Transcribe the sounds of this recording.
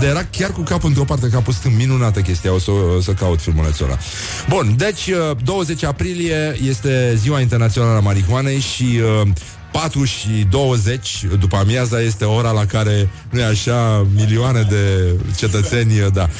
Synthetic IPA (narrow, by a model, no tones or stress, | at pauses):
d̪jeɾakʲarkukapɨnt̪ɾopart̪ekapusk̪ɨnminunat̪əkʲe̞st̪ijao̞səsəkaut̪filmulnḛt̪so̰na̰ | bund̪e̞t͡ʃʲəd̪o̞wəze̞t͡ʃʲapɾilije̞je̞st̪e̞ziwaint̪ernat̪sio̞naləamaɾiɦuane̞jʃiə | pat̪ɾuʃid̪o̞wəze̞t͡ʃʲd̪upamjazaje̞st̪e̞o̞ɾalakaɾe̞ | nujeaʃamilioane̞d̪e̞t͡ʃe̞t̪ət̪se̞nʲd̪a